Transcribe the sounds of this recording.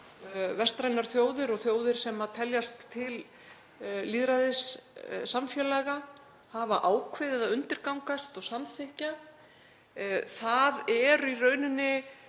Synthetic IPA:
vɛst̪ɾajnaɾ̥θjoːwðɪɾɔɣθjoːwðɪɾ̥sɛmat̪ʰɛljast̪ʰːɪlː | iðɾaðɪsːamfjɛːlaɣa | havaʔaːwkʰvɪðɪðaðʏnt̪ɪɾkawŋkast̪ɔɣsamθɪhca | θaðɛɾirœːɥnʏnːɪ

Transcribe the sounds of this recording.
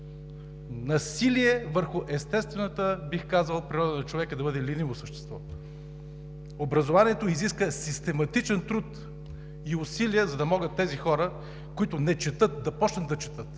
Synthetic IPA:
nɐsiliɛvəɾxʊʔɛst̪ɛst̪vɛnot̪əbixkazəlˠpɾʲiɾɔd̪ənɐt͡ʃovɛkəd̪ɐbɤd̪ɛlinivosəʃt̪ɛ̥st̪vɔ | obɾɐzovaniɛt̪oiziskəsist̪ɛmɐt̪it͡ʃɛnt̪ɾut̪ | iʊsiliɛzɐd̪ɐmɔɡət̪ːɛzixɔɾə | koit̪ʊnɛt͡ʃɛt̪ɤt̪̚d̪ɐpɔt͡ʃnɐt̪ːɐt͡ʃɛ̥t̪ɤt̪

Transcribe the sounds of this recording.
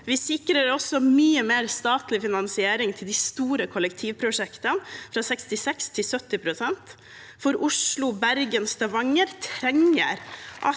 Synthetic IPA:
ʋɪsɪkɾəɾɔsɔmyːəmeːɾst̪ɑːt̪lɪfɪnɑnsɪeːɾɪŋt̪ʰɪld̪ist̪uːɾəkʰʊlək̚t̪ʰiːʋpʰɾʊʂɛkt̪ənfɾɑsɛkst̪ɪsɛkst̪ʰɪsœt̪ːɪpʰɾʊsɛnt̪ | fɔɾʊʂlʊbæɾɡənst̪ɑʋɑŋːəɾt̪ʰɾɛŋə̰ɾʔɑ̰

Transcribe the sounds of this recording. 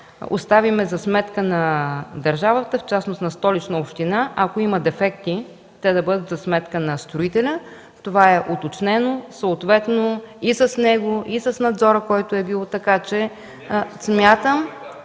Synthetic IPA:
o̰st̪avimɛzɐsmɛt̪kənɐd̪ɐɾʒavət̪əft͡ʃasnost̪nɐst̪ɔlit͡ʃnəopʃt̪inaʔɐkoimɐd̪ɛfɛkt̪i | t̪ɛd̪ɐbɤd̪ət̪zɐsmɛt̪kənɐst̪ɾʊit̪ɛlʲə | t̪ovaɛʔot̪ot͡ʃnɛnosəːt̪vɛt̪noisəsnɛɡoʔisəsnɐd̪zɔɾəkɔjt̪ʊɛbilˠɔt̪ɐkat͡ʃɛ | smʲjat̪əm

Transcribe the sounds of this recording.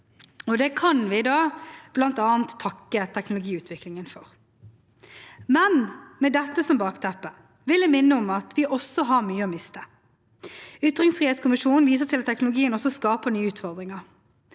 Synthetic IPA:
ɔd̪ɛkʰɑnʋɪd̪ɑːb̥lɑnt̪ɑːnt̪ʰːɑkːət̪ʰɛknʊlʊɡiːʉːt̪ʰʋɪklɪŋənfɔʁ | mɛnmɛd̪ɛt̪ːəsɔmbɑːkt̪ʰɛpːə | ʋɪlɛmɪnːəʊmɑt̪ʰʋɪʔɔsːɔɦɑʁmyːəɔmɪst̪ə | ʏt̪ːʁɪŋsfʁiːheːt̪skʊmɪʂuːnn̩ʋiːs̬ət̪ʰɪlɑt̪ʰːɛknʊlʊɡiːənɔsːɔskɑːpənyːəʉːt̪fɔʁd̪ɾɪŋəʁ

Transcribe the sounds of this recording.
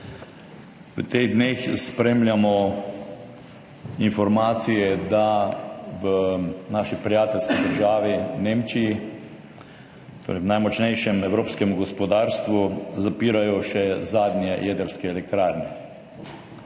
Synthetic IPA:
ʋət̪eɣd̪neːxspɾemlʲjamɔ | infɔɾmaːt̪sijɛd̪a | ʋənaʃipɾijaːt̪ɛlskid̪əɾʒaːʋineːmt͡ʃiji | t̪oɾwnajmɔt͡ʃnɛjʃɛmɛwɾoːpskɛmuɡɔspɔd̪aːɾst̪ʋuzapiːɾajɔʃɛzaːd̪nʲjɛjʔɛːd̪əɾskɛːlɛk̚t̪ɾaːɾnɛ

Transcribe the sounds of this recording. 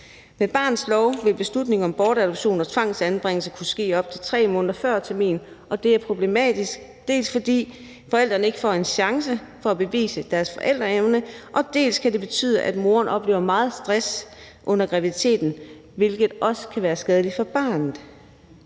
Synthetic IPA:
meb̥ɑ̈ːnð̩ˠslɒʊʋe̝lb̥e̝slud̥ne̝ŋɒ̽mb̥ɒːɾæd̥ob̥ɕo̝̰ːnɒ̽t͡sʰʋɑ̈ŋ̰sænb̥ʁeŋ̰l̩səkʰusɡ̥e̝̰ːɒ̽b̥̚t͡sʰe̝lt͡sʰʁɛ̰ːmɔ̽ːnðɐfɶɐ̰t͡sʰæɐmḭːn̩ | ʔɒ̽d̥e̝æɐpʰʁo̝b̥le̝mɛ̰ːd̥isɡ̥ | d̥e̝̰ːlsfɒ̽d̥ḭː | fɒ̽el̰d̥ʁɐnəe̝ɡ̥əfɒ̰ːe̝nɕɑ̈ŋsəfɒ̽æb̥e̝ʋḭːsəd̥æɐsfɒ̽ʔel̰d̥ʁɐeʊnəʔɒ̽d̥e̝̰ːlskʰæde̝b̥e̝t͡sʰy̰ːð̞ˠəʔæd̥mo̝ːɐnʔɒ̽b̥le̝̰ːʊɐmɑ̈ːð̞̩ˠsd̥ʁas | ʔɔ̽n̰ɐɡ̥ʁaʋið̥ˠit͡sʰe̝̰ːd̥n̩ | ʋe̝lɡ̥ð̩ˠʔɒ̽sə̥kʰæʋæːɐsɡ̥ɛð̞ˠlifɒ̽b̥ɑ̈ːnð̩ˠ

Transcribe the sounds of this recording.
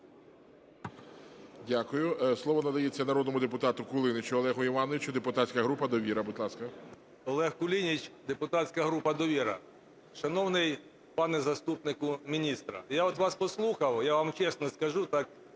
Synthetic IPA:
dʲakʊjʊslˠɔʋɔnɐd̪ɐjet͡sʲːɐnɐɾɔd̪nɔmʊd̪epʊt̪ɑt̪ʊkʊlˠɪnɪt͡ʃʊɔlˠɛɦʊiʋɑnɔʋʲɪt͡ʃʊd̪epʊt̪at͡sʲkɐɦɾupɐd̪ɔʋʲiɾɐbʊd̪ʲlˠɑskɐ | ɔlˠɛhkʊlʲinʲit͡ʃd̪epʊt̪asʲkɐɦɾupɐd̪ɔʋʲiɾɐ̰ | ʃɐnɔwnɪj | pɑnɛzɐst̪upnɪkʊmʲinʲist̪ɾɐ̰jaɔt̪ʋɑspɔslˠuxɐwjaʋamt͡ʃɛsnɔskɐʒut̪ɑk̚

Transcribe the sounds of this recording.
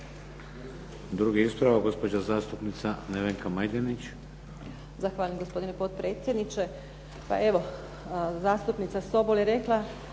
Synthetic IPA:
d̪ɾuɡeispɾaʋaɡo̞spod͡ʑazaːst̪upnit̪saneʋeŋkamajd̪enit͡ɕ | zaxʋaːʎamɡo̞spo̞d̪inepo̞t̪̚pɾe̞ːt̪sʲje̞d̪nit͡ʃe̞ | pa̰ʔe̞ʋo̞ | zaːst̪upnit̪saso̞boljeɾe̞kla

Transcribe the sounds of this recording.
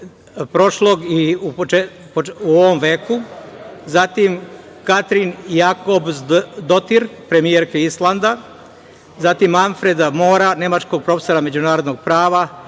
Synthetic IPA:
pɾo̞ʃloɡiupot͡ʃe | pouoʋomʋe̞ːkuzat̪im | kat̪ɾinjakobzd̪ot̪iɾpɾe̞mijeɾkeislˠand̪a | zat̪imaɱfɾed̪amo̞ːɾane̞mat͡ʃko̞ɡ̚pɾo̞feso̞ɾame̞d͡ʑunaːɾo̞d̪no̞ɡ̚pɾaːʋa

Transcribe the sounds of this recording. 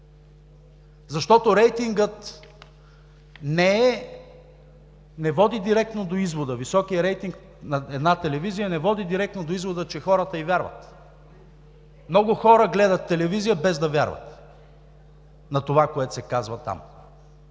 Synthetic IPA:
zɐʃt̪ɔt̪oɾɛjt̪iŋɡət̪ | nɛɛ | nɛvɔd̪id̪iɾɛk̚t̪nod̪oizvod̪əvisɔkijəɾɛjt̪iŋk | nɐɛd̪nat̪ɛlɛvizijənɛvɔd̪id̪iɾɛk̚t̪nod̪oizvod̪ət͡ʃɛxɔɾət̪əivʲjaɾvə̰t̪ | mnɔɡʊxɔɾəɡlɛd̪ət̪ːɛlɛvizijəbɛzd̪ɐvʲja̰ɾvə̰t̪ | nɐt̪ovakoɛt̪o̥sɛkazvɐt̪a̰m

